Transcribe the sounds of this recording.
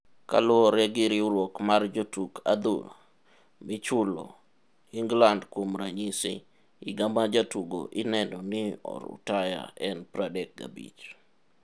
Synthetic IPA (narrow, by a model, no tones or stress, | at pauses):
ka̰lɔɾɛɡɪɾɪuɾwɔkmard͡ʒotukʰa̰d̪ṵ | mɪt͡ʃʊlo̰ | iŋɡlandkwomɾaɲisḭ | iɡamad͡ʒatuɡo̰ʔɪnɛnɔnɪɔ̰ɾṵtaja̰ɛnpɾadɛk̚ɡa̰bḭt͡ʃ